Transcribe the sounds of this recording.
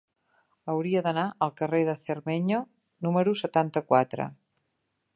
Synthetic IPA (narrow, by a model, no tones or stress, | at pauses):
əwɾiəðənaʔəlˠkəreðəθərmeɲo | numəɾusət̪ant̪əkwat̪ɾə̰